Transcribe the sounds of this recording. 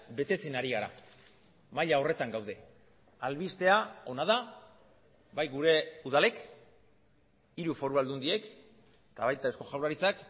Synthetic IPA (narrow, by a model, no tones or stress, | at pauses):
be̞t̪e̞t͡senaɾiɣaɾa̰ | maʎao̞re̞t̪aŋɡawð̞e̞ | alβist̪e̞ao̞nað̞a | βajɣuɾe̞uð̞ale̞k | iɾufo̞ɾuald̪und̪ie̞k | t̪aβajt̪ae̞sko̞ʝawlaɾit͡sak